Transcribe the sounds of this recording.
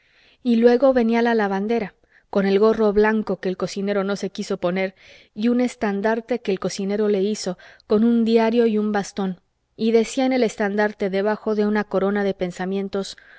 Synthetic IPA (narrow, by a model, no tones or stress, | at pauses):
ilwe̞ɣo̞βe̞nialalaβand̪e̞ɾa | ko̞ne̞lɣo̞ro̞βlaŋko̞ke̞ːlko̞sine̞ɾo̞no̞se̞kiso̞po̞ne̞ɾ | iune̞st̪and̪aɾt̪e̞keːlko̞sine̞ɾo̞le̞iso̞ko̞nũnd̪jaɾjo̞iumbast̪o̞n | iðe̞siaene̞le̞st̪and̪aɾt̪e̞ðe̞βaxo̞ðe̞unako̞ɾo̞naðe̞pe̞nsamjẽ̞nt̪o̞s